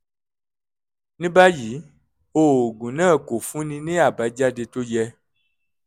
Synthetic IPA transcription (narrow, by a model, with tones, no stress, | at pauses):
nĩ˦ba˦ji˨˦ | o˨ɡũ˨nã˦˨ko˨fũ˦nĩ˧nẽ˦a˨ba˨˦d͡ʒa˦de˧to˦jɛ˧